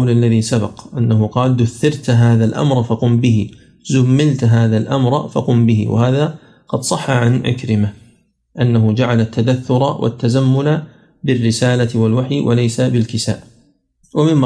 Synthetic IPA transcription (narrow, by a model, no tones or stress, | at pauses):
lalːaðisabɑ̰qʔanːaɦʊqɑːld̪ʊθːɪɾt̪ɦaːðalʔa̰mɾˤfɑqʊmbɪɦi | zʊmːɪlt̪ɦaːðalʔa̰mɾˤfaqʊmbɪɦɪ̰wa̰haːða | qɑd̪sˤɑħːaʕanʕɪ̰kɾɪma | ʔanːaɦʊd͡ʒaʕalat̪ːad̪aθːʊɾˤɑwʔa̰t̪ːazamːʊla | bɪrːɪsaːlat̪walwaħijwʔa̰lajsabɪlkɪsa̰ːʔ | wamɪmː